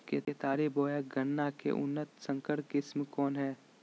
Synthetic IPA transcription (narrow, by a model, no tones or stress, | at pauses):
ket̪eːt̪aːɾiboːjaɡənːakḛʔʊ̰nːət̪sə̃ŋkəɽkɪsmkɔːnɦɛː